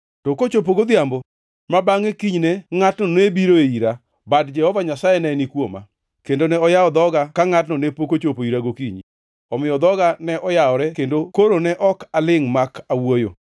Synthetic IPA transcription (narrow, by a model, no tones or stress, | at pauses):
tɔkot͡ʃop̬oɡod̪jambo | mabaŋekiɲnɛŋatnɔnebiɾoeiɾa | badd͡ʒɛhɔvaɲasajɛnɛnikwoma̰ | kendonɛɔjaɔd̪ɔɡakaŋatnɔnepokot͡ʃopoiɾaɡokiɲi | ɔmɪjɔd̪ɔɡanɛʔɔjaɔɾɛkendokoɾonɛʔɔkalɪŋmakawojo̰